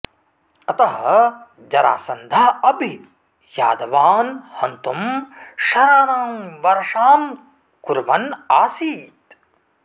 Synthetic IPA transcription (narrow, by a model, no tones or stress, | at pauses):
ɐt̪ɐɦɐ | d͡ʒɐɾa̰ːsɐnd̪ʱaɐbʱi | ja̰ːd̪ɐʋaːnhɐnt̪umʃɐɾaːnaːmʋɐɾʂaːm | kuɾʋɐnaːsiːt̪